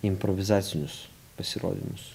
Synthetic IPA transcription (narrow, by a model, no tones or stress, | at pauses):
ɪmpɾɔʋʲɪzɑːt̪sʲɪnʲʊs | pɐsʲɪɾo̰ːd̪ʲɪ̰mʊs